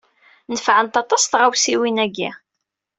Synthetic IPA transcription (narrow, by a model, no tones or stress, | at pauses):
nəfʕənt̪ɑt̪ˤɑsθʁawsiwinæɡi